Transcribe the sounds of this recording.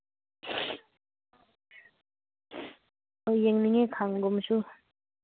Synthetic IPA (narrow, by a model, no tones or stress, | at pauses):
ojeŋniŋekʰaŋɡomɕu